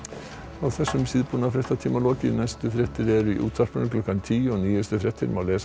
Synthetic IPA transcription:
ɔθɛsːʏmsiðpʊnafɾɛht̪at̪ʰɪmalɔːkɪnɛst̪əfɾɛt̪ʰɪɾɛɾiʔṵːt̪ʰaɾpənəkʰlɔkːant̪ʰiːɔniːəst̪əfɾɛt̪ʰɪ̰ɾmɔleːs

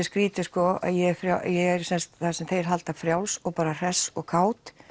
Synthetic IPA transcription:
skɾiːt̪ɪskɔa̰ðjɛfɾjaʔjɛɣɛɾ̥sɛnst̪θasɛmθejɾ̥ɦalt̪afɾjawlsɔɣpaːɾar̥ɛsɔɣkʰaːwt̪

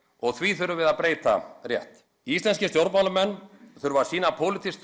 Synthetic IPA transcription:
ɔɣθviθʏɾʏvɪðaðpɾeːjt̪a̰rjɛ̰ht̪ | ist̪lɛnscɪst̪jowɾpmawlʏmɛnːθʏɾvaɾ̥siːnapʰowlɪt̪ʰist̪

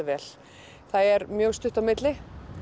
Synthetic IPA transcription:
vɛːl̥ | θaðɛɾmjœːɣst̪ʏht̪awmɪt̪lɪ

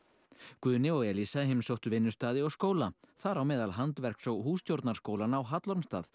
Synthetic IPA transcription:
kvʏːnɪɔɣjɛlisaɦɪmsowht̪ʏvɪnːʏst̪aːðɪɔɣskoːwlaθaɾawmɛːðalɦant̪vɛr̥ksɔɣɦuːsc̪jowɾt̪naɾ̥skoːwlanawɦat̪lɔɾmst̪a̰ːð

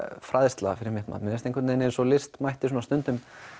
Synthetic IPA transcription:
fɾaðst̪la̰ɣafɪɾɪɾmɪht̪ma̰mɛnɛst̪ejŋkvɛt̪neneɛnsɔlɪst̪majht̪ɪsuːnast̪ʏnt̪ʏm

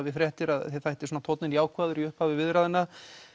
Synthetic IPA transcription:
vɪfɾjɛht̪ɪɾaðθɛθajht̪ɪsɔːnat̪ʰowt̪nɪnijaːwkʰvaːðʏɾiʏhphavɪvɪðɾaðɪnːa

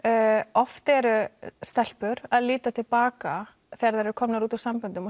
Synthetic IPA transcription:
ɔft̪ɛɾʏst̪ɛl̥pʏɾaðliːt̪at̪ʰɪlpaːka | θɛaɾðaɾɛɾʏkʰɔmnaɾuːt̪asampʏnt̪ʏmɔ

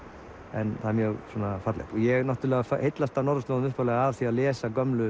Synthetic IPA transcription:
ɛ̰nθaðmjœɣsɔːnafat̪lɪ̰pɔɣjɛɣnɔht̪ʏlɛːɣafahejt̪last̪anɔɾðʏst̪loðʏmʏhpalɛːɣaavθiaðlɛːsakœmlʏ

